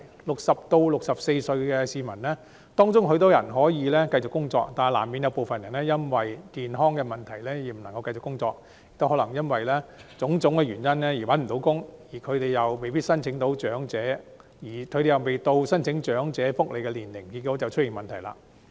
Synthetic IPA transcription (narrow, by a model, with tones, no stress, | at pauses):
lʊ˨k̚sɐ˨p̚t̪o˧wlʊ˨k̚sɐ˨p̚se˧jsɵ˧ɥkɛː˧siː˨mɐ˨˩nlɛː˥ | t̪ɔː˥ŋt͡sʊ˥ŋɦɵ˧ɥt̪ɔ˨˥jɐ˨˩nɦɔː˨˥jiː˨˧lɛː˥kɐ˧jt͡sʊ˨kːʊ˥ŋt͡sɔ̰ː˧k̚t̪aː˨˩laː˨˩mːiː˨˧njɐ˧wpo˨wfɐ˨njɐ˨˩nɛː˥jɐ˥nwɐ˨jkiː˨nɦɔː˥ŋkɛː˧mɐ˨nt̪ʰɐ˨˩jlɛː˥jiː˨˩m̩˨˩nɐ˨˩ŋkɐ˧wkɐ˧jt͡sʊ˨kːʊ˥ŋt͡sɔː˧k̚ | jɪ˨k̚t̪whɦɔ˨˥lɐ˨˩ŋjɐ˥nwɐ˨jlɛː˥t͡sʊ˨˥ŋt͡sʊ˨˥ŋkɛ˧ɥyː˨˩njɐ˥nlɛː˥jiː˨˩wɐ˨˥nm̩˨˩t̪o˨˧˥wkʊ˥ŋjiː˨˩kʰɵ˨˧t̪e˨jjɐ˨wme˨jpiː˥t̚sɐ˥nt͡sʰɪ˨˥ŋt̪o˨˥wt͡ʃœː˨˥ŋt͡sɛː˨˥ | jiː˨˩kʰɵ˧t̪e˨jɐ˨wme˨jt̪o˧wsɐ˥nt͡sʰɪ˨˥ŋt͡ʃœː˨˥ŋt͡sɛː˨˥fʊ˥k̚lʔe˨˧jkɛ˧liː˨˩nlɪ˨˩ŋki˧t̚kːɔː˨˥t͡sɐ˨wt͡ʃʰɵ˥t̚jɪ˨˩ŋmɐ˨nt̪ʰɐ˨˩jla̰ː˧